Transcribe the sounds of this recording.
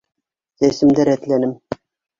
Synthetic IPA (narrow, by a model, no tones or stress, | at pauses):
sesɘ̆md̪æɾæt̪lænɘm